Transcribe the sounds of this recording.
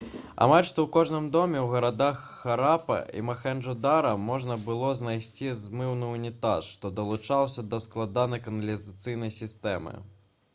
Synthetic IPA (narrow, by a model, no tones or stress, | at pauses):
a̰malʲʂt̪ɔwkɔʐnɨmd̪ɔmʲɛwɣɐɾad̪axːaɾapɐ̰ʔḭmɐxɛnʐud̪aɾɐmɔʐnɐbɨlˠɔznajsʲt͡sʲizmɨwnɨunʲit̪aʂʂt̪ɔd̪ɐlˠut͡ʂalˠsʲɐd̪ɐsklˠad̪anɐjkɐnɐlʲizat̪sɨjn̪ɐjsʲist̪ɛmɨ̰